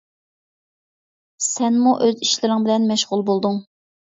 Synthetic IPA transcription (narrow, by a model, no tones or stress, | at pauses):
sɛnmuʔøziʃlɪɾɪŋbɪlɛnmɛʃʁʊlˠbolˠd̪ʊŋ